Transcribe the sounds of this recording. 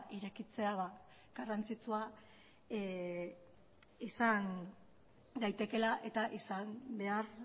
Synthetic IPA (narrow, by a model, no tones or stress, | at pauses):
ʔiɾekit͡se̞aβa | ɡ̥arant͡sit͡sua | isan | d̪ajt̪e̞ke̞laʔe̞t̪aʔisambe̞ar